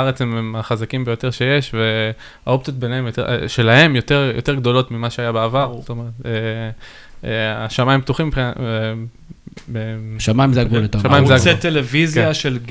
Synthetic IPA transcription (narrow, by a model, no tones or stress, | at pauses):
aʁet͡shememaχazakimbejo̞te̞ʁʃe̞je̞ʃve̞ | ao̞p̚t͡sijot̚be̞neemjot̪ḛʃe̞lahe̞mjo̞t̪e̞ʁjot̪e̞ɡd̪o̞lo̞t̪mimaʃeajabeavaʁt̪omeʁet̪e | aʃamaimp̚t̪uχimːipχina | beʃamaimzeaɡɡvulat̪oʃamajimzeaɡsetelevizjjaʃelɡ